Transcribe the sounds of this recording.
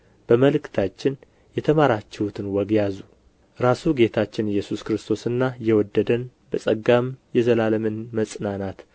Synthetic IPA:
b̥əməlɨkt̪ʰat͡ʃːɪn | jɛt̪ʰəmaɾat͡ʃːɛhut̪ʰɨnwɔɡjazu | ɾasuɡe̞t̪ʰat͡ʃːɪnɨjːɛsuskɾɨst̪ʰo̞sɨnːajɛwɔd̪ːəd̪ən | bəsʼəɡːamjɛzəlaləmɨnməsʼnanat̪

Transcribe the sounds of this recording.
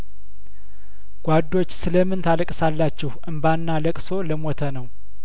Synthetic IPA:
ɡ̥ʷad̪ːo̞t͡ʃːsɨləmɨnt̪ʰaləkʼsalːat͡ʃːɛhʔɨmbanːaləkʼso̞ləmot̪ʰənəw

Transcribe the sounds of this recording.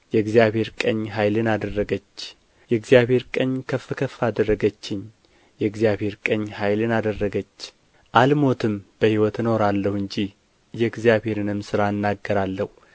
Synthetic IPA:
jɛɡzijaβhe̞ɾkʼəɲːɦajlɨnad̪ərːəɡət͡ʃː | jɛɡzijaβhe̞ɾkʼəɲkʰəfːɨkʰəfːad̪ərːəɡət͡ʃːɪɲ | jɛɡzjaβhe̞ɾkʼəɲːhajlɨnad̪ərːəɡət͡ʃː | ʔalmo̞t̪ʰɨmb̥əhiwɔt̪ɨno̞ɾalːəhɨɲd͡ʒi | jɛɡzijaβhe̞ɾɨnɨmsɨɾaɨnːaɡːəɾalːəhu

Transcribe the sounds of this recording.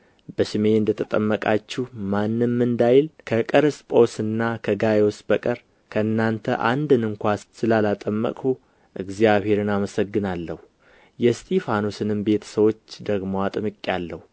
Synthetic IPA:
b̥əʃɨmeɨnd̪ət̪ʰət̪ʼəmːəkʼat͡ʃːɛhmanːɨmmɨnd̪ajɪlkʰəkʼəɾɨspʼo̞sɨnːakʰəɡajo̞sbəkʼəɾ | kʰəɨnːant̪ʰə̰ʔand̪ɨnɨŋkʷasɨlalat̪ʼəmːə̰kʼu | ʔɨɡzijaβhe̞ɾɨnaməsəɡːɨnalːəhu | jɛst̪ʰʼefano̞sɨnɨmbe̞t̪ʰə̥səwo̞t͡ʃːd̪əɡmoat̪ʼɨmɨkʼːjalːəhu

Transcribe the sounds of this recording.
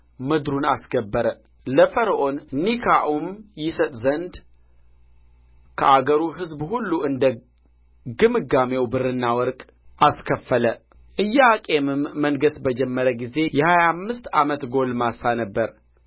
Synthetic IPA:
mɨd̪ɾunasɡəbːəɾə | ləfəɾəʔo̞nnikʰaʔumjɪsət̪ʼzənd̪ | kʰəʔaɡəɾuɦɨzbhulːuɨnd̪ə | ɡɨmɨɡame̞wbɨrɨnːawɔɾkʼ | ʔaskʰəfːələ | ʔɨjːaakʼe̞mɨmːənɡəsbəd͡ʒɛmːəɾəɡize̞jɛhajamːɨst̪amət̪ɡo̞lmasanəbːəɾ

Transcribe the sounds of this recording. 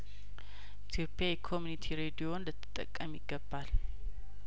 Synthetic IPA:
ʔit̪ʰjo̞pʼːjajɛkʰomjunit̪ʰiɾed̪ijo̞nlət̪ʰːɨ̥t̪ʼːə̰kʼːəmjɪɡːəbːal

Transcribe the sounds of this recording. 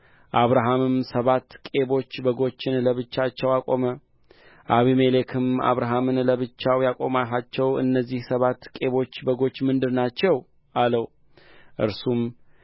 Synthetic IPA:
ʔaβɾaɦamɨmsəβat̪ːkʼe̞βo̞t͡ʃːbəɡo̞t͡ʃːɪnləβɨt͡ʃːat͡ʃːɛwakʼo̞mə | ʔaβime̞lekʰɨma̰βɾaɦamɨnləβɨt͡ʃːawjakʼo̞maɦat͡ʃːɛwɨ̰nːəzːihsəβat̪ːkʼe̞βo̞t͡ʃːbəɡo̞t͡ʃːmɨnd̪ɨɾnat͡ʃːɛw | ʔaləw | ʔɨ̰ɾsum

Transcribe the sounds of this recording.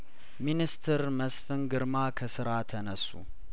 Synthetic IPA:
minist̪ʰɨɾməsfɨnɡɨɾmakʰəsɨɾat̪ʰənəsːṵ

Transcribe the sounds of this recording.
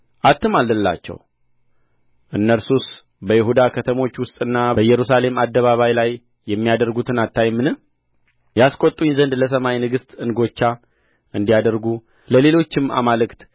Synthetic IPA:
ʔat̪ʰːɨmalːɨlːa̰t͡ʃːɛ̰w | ʔɨnːəɾsus | bəjɪɦud̪akʰət̪ʰəmo̞t͡ʃːwʊst̪ʼɨnːabəjːɛɾusale̞mad̪ːəβaβajlajː | ɛmːijad̪əɾɡut̪ʰɨnat̪ːajmːɨnɨ | jaskʼo̞t̪ʼːunzənd̪ləs̬əmajnɨɡɨst̪ʼɨnɡo̞t͡ʃːa | ɨnd̪ijad̪əɾɡu | ləle̞lo̞t͡ʃːɪma̰malɨkt̪

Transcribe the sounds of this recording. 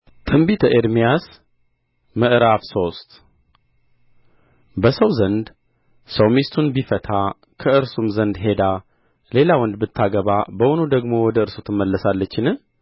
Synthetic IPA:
t̪ʰʼɨmbit̪ʰəʔeɾmijas | məʔɨɾafso̞st̪ | bəsəwzənd̪ | səwmist̪ʰunbifət̪ʰa | kʰəɨɾsumzənd̪ɦe̞d̪a | le̞lawɔnd̪bɨt̪ʰːaɡəβabəʔʊnod̪əɡmo̞wɔd̪əɨɾsut̪ʰɨmːəlːəsalːət͡ʃːɪnɨ

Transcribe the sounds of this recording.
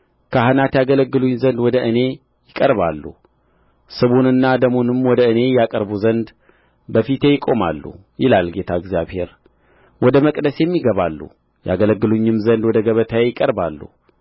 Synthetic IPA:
kʰəɦɨnat̪jaɡələɡːɨluɲːzənd̪wɔd̪əʔɨne̞ | jɪkʼəɾβalːṵ | sɨβunɨnːad̪əmonɨmwɔd̪əɨne̞jakʼəɾbuzənd̪ | bəfit̪ʰe̞jɪkʼo̞ma̰lːṵ | jɪlalɡe̞t̪ʰaɪɡzjaβhe̞ɾ | wɔd̪əməkʼd̪əsjɛmːiɡəβalːṵ | ja̰ɡələɡːɨluɲːɨmzənd̪wɔd̪əɡəβət̪ʰajejɪkʼəɾbalːṵ

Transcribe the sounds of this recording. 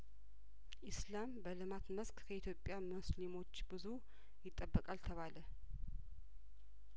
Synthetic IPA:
ʔɪslambəlɨmat̪məskʰkʰəit̪ʰjo̞pʼːjamuslimo̞t͡ʃːbɨzu | jɪt̪ʼːəbːəkʼalt̪ʰəβalə

